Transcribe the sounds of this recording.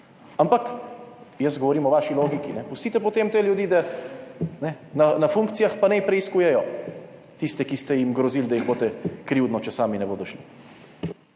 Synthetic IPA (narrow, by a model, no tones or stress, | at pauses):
ampak | jəst̪ɡɔʋɔɾiːmɔʋaːʃiloːɡikinɛpust̪iːt̪ɛpɔt̪emt̪eljud̪iːd̪a | nɛnanafuŋkt̪sijaxpanɛpɾɛiskuːjɛjɔ | t̪ist̪ɛkist̪ɛjimɡɾɔziːld̪ajiɣboːt̪ɛkɾiwd̪nɔt͡ʃɛsaːminɛboːd̪ɔʃli